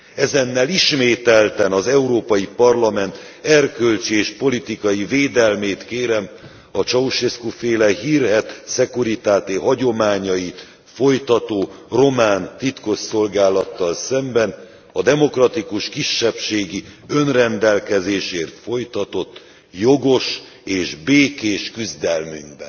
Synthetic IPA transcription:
ɛzɛnːɛliʃmeːt̪ɛlt̪ɛnɒzɛuɾoːpɒjipɒrlɒmɛnt̪ | ɛrkølt͡ʃieːʃpo̞lit̪ikɒjiveːd̪ɛlmeːt̪keːɾɛm | ɒt͡ʃɒuʃeskufeːlɛɦiːrɦɛt̪sɛkuɾit̪aːt̪eɦɒɟo̞maːɲɒjit̪ | fo̞jt̪ɒt̪oːro̞maːnt̪it̪ko̞sːo̞lɡaːlɒt̪ːɒlsɛmbɛn | ɒd̪ɛmo̞krɒt̪ikuʃkiʃːɛpʃeːɡiø̞nrɛnd̪ɛlkɛzeːʃeːrt̪fo̞jt̪ɒt̪o̞t̪ː | jo̞ɡo̞ʃ | eːʒbeːkeːʃkyzd̪ɛlmy̰ŋɡbɛ̰n

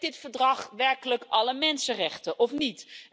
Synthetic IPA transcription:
dɪtfəɹdrɑχʋɛɹkələkɑləmɛnsərɛχtəʔɔfnit

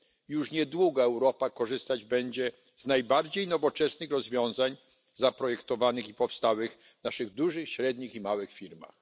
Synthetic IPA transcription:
juʂɲɛd̪wuɡaɛwɾɔpakɔʐɘst̪ad͡ʑbɛɲd͡ʑɛ | znajbaɾd͡ʑejnɔvɔt͡ʂɛsnɘxɾɔzvʲjɔ̃w̃zaɲ | zapɾɔjɛkt̪ɔvanɘxipɔfst̪awɘɣ | vnaʂɘɣd̪uʐɘxɕɾɛd̪ɲiximawɘxfʲiɾma̰x

